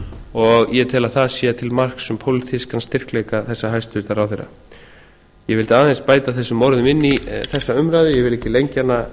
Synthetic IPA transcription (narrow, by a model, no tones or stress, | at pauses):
ɔɣjɛt̪ʰɪlaðθaðsjɛːat̪ʰɪlmar̥ksɛmpʰowlɪt̪ʰɪskanst̪ɪr̥klejkaθɛsːaɦajst̪ʏvɪt̪aɾawθejrːa̰ | jɛvɪlt̪aːðɛnspaːjt̪aθɛsːʏmːɔwɾðʏmɪnːiθɛsːaʏmɾajðʏjɛvɪlɛhcːɪlejɲcanːa